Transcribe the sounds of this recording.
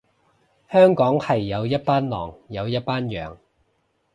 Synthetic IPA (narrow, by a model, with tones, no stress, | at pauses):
hœː˥ŋkɔː˨˥ŋhɐ˨jːɐ˨˧wjɐ˥t̚paː˥nlɔ̰ː˨˩ŋjɐ˨˧wjɐ˥t̚paː˥njœː˨ŋ